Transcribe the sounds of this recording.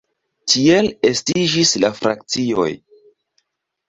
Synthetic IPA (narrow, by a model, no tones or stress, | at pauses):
tʰielestid͡ʒislafɾak̚t͡sio̞̰j